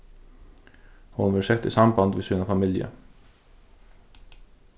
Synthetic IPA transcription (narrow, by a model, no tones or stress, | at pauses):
hʊnʋɪlsɛt̪ɪ̰ːsɑmbɑnd̪ʋɪsʉːnɑfɑmɪljə̰